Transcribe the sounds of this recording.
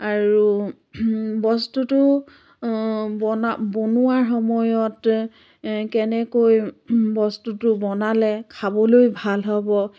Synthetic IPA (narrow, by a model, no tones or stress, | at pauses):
aɹu | bɔstutʊ | bɔnabonuaɹxɔmɔjɔt | kɛnɛkojbɔstutʊbɔnalɛkʰabɔlojbʱalɦɔbɔ